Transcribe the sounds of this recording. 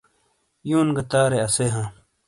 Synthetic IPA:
juːnɡɐt̪aːɾeɐseːɦãː

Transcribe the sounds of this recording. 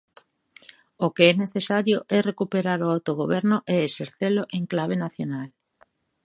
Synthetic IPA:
okeɛneθesaɾjoʔɛrekupeɾaɾʊawt̪oɣ̞oβɛɾnʊʔeeseɾθeloʔeŋklaβ̞enaθjonal

